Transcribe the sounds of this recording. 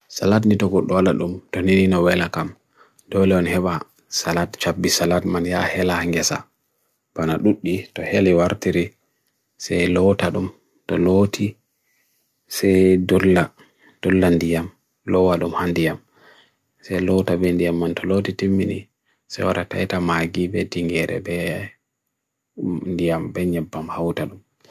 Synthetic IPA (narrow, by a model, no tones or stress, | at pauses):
salat̬nitɔɡɔɗːɔwalaɗumtɔneninɔwɛlakam | dɔlɛɔnhɛɓa | salatt͡ʃabːisalatmanja̰hɛlahŋɡɛsa̰ | b̥anaɗuɗːitɔhelɛwaɾtiɾi | sɛjlɔtaɗum | tɔlotʰi | sɛjdɔlːa | d̥ɔlːandijam | lɔwaɗumhandijam | sɛlɔtabɛndijamːantɔlotitimːinḭ | sɛ̰jwaɗata̰jtamaɡibɛdiŋɡɛɾɛ̰bɛ | ndijambɛɲɛbːamhawtaɗum